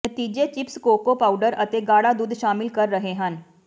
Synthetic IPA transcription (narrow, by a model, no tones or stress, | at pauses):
nət̪iːd͡ʒet͡ʃɪpskoːkopaːʊɖəɾət̪eɡaːɽad̪uːd̪ʃaːmɪlkɐɾːəɦeɦən